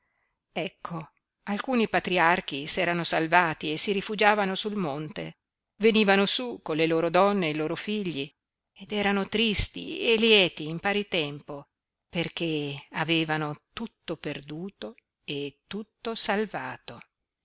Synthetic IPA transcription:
ɛkʰːo | alkuːnipat̪ɾiark̟isɛːɾanosalvaːt̪iesiɾifud͡ʒaːvanosulmont̪e | veniːvanosukonleloːɾod̪ɔnːeloːɾofiʎːi | ed̪ɛːɾanot̪ɾist̪ḭeljɛːt̪iːmpaːɾit̪ɛmpo | perk̟eaveːvanot̪ut̪ːoperd̪uːt̪o | et̪ːut̪ːosalvaːt̪o

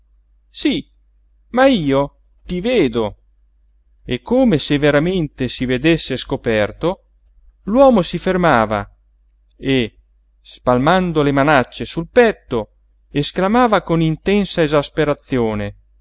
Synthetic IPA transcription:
si | maiːo | t̪iveːd̪o | ekʰːoːmeseveɾament̪esived̪esːeskopɛrt̪o | lwɔːmosifermaːva̰ | e | spalmand̪olemanat͡ʃːesulpɛt̪ːo | esklamaːvakonint̪ɛnsaezaspeɾat̪sːjoːne

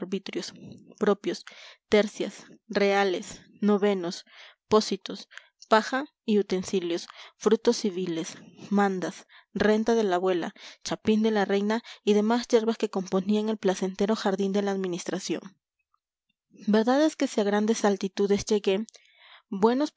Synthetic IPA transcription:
ɾβit̪ɾjo̞spɾo̞pjo̞st̪eɾsjasre̞ale̞s | no̞βe̞no̞spo̞sit̪o̞s | paxa | iut̪e̞nsiljo̞sfɾut̪o̞sːiβilesmãnd̪as | re̞nt̪aðe̞laβwe̞la̰t͡ʃapind̪e̞lare̞jnaiðe̞masʝe̞ɾβaske̞ko̞mpo̞niaeŋe̞lplase̞nt̪e̞ɾo̞xaɾðind̪e̞laːðminist̪ɾasjo̞̰ŋ | be̞ɾðaðe̞ske̞siaɣɾand̪e̞salt̪it̪uðe̞sd͡ʒeɣe | bwe̞no̞s

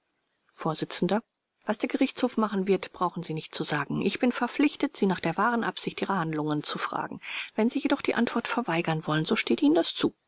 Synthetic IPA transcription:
foːɐzɪt͡sn̩dɐ | v̥asd̥eːɐɡəʁɪçt͡shoːfmaχn̩vɪɐtb̥ʁaʊxn̩ziːnɪçtt͡suzaːɡŋ̩ʔɪçb̥ɪnfɛɐflɪçtətz̥iːnaːχd̥eːɐvaːʁənʔapz̥ɪçtʔiːʁɐhandlʊŋənt͡sufʁ̥a̰ːɡŋ̩v̥ɛnziːjedɔχd̥iːʔantv̥ɔɐtfɛɐvaɪɡɐnvɔlənzoːʃteːtʔiːnəndast͡suː

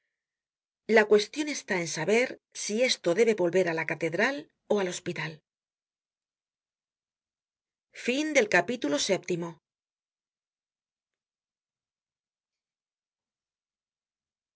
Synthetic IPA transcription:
lakwe̞st̪jo̞ne̞st̪ae̞nsaβe̞ɾsie̞st̪o̞ðe̞βe̞βo̞lβe̞ɾalakat̪e̞ðɾal | o̞alo̞spit̪al | find̪e̞lkapit̪ulo̞se̞p̚t̪imo̞

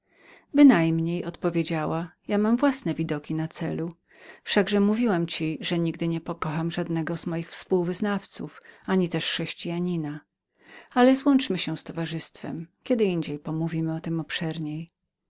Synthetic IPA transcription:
bɘnajmɲejɔt̪pɔvʲjed͡ʑawajamamvwasnɛvʲid̪ɔkʲinat̪sɛlu | fʂaɡʐɛmuvʲiwamt͡ɕiʐɛɲiɡd̪ɘɲɛpɔkɔxamʐad̪nɛɡɔz̥mɔjixfspuwvɘznaft̪sufaɲit̪ɛʂxʂɛɕt͡ɕijaɲina | alɛzwɔnt͡ʂmɘɕɛst̪ɔvaʐɘst̪fɛ̰mkʲɛd̪ɘiɲd͡ʑejpɔmuvʲimɘɔt̪ɘmɔpʂɛɾɲej

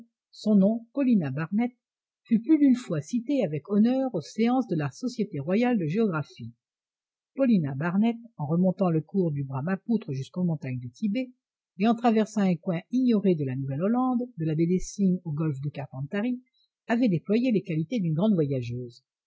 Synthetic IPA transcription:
sɔ̃nɔ̃pɔlinabaʁnɛt̪ | fyplyd̪ynfwasit̪eavɛkɔnœʁoseɑ̃sd̪əlasɔsjet̪eʁwajald̪əʒeɔɡʁafi | pɔlinabaʁnɛt̪ɑ̃ʁəmɔ̃t̪ɑ̃ləkuʁd̪ybʁamaput̪χəʒyskomɔ̃t̪aɲd̪ət̪ʰibeː | ɑ̃t̪χavɛʁsɑ̃ɛ̃kwɛ̃iɲɔʁed̪əlanuvɛlɔlɑ̃d̪ːəlabed̪esinoɡɔlfd̪əkaʁpɑ̃t̪aʁi | avɛd̪eplwajelekalit̪ed̪ynɡʁɑ̃d̪vwajaʒøːz

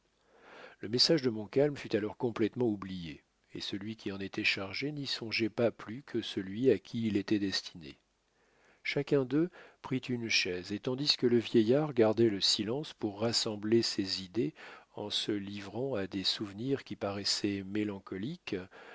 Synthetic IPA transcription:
ləmɛsaʒd̪əmɔ̃kalmfyt̪alɔʁkɔ̃plɛt̪mɑ̃ublije | ḛsəlɥikʲiɑ̃net̪ɛʃaʁʒenisɔ̃ʒɛpaplykʰəsəlɥiakʲʰiːlet̪ɛd̪ɛst̪ʰinḛ | ʃakʲɛ̃d̪øpχit̪ynʃɛzet̪ɑ̃d̪iskələvjɛjaʁɡaʁd̪ɛləsilɑ̃spuʁːasɑ̃blesezid̪eɑ̃səlivʁɑ̃ad̪esuvniʁkʲipaʁɛsɛmelɑ̃kɔlik

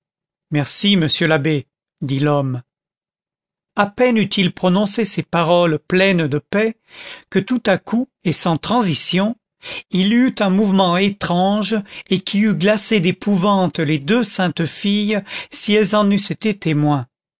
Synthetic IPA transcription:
mɛʁsiməsjølabe | d̪ilɔm | apɛnyt̪ʰilpχɔnɔ̃sesepaʁɔlplɛnd̪əpɛ | kət̪ut̪akʰu | esɑ̃t̪χɑ̃zisjɔ̃ | ilyt̪ɛ̃muvmɑ̃et̪χɑ̃ʒekʰʲiyɡlased̪epʰuvɑ̃t̪led̪øsɛ̃t̪fijsiɛlzɑ̃nyset̪et̪emwɛ̃

